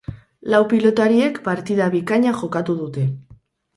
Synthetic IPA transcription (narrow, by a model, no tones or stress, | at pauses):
lawpilo̞t̪aɾie̞kpaɾt̪ið̞aβikaɲaʝo̞kat̪uðut̪e̞